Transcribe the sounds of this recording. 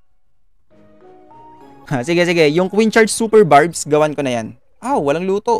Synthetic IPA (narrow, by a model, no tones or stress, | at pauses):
asɪɡɛsɪɡɛjʊŋkwint͡ʃaɹd̪suːpɛɹbaɹbsɡɐwankonɐjan | ʔawwɐlaŋluːt̪o̞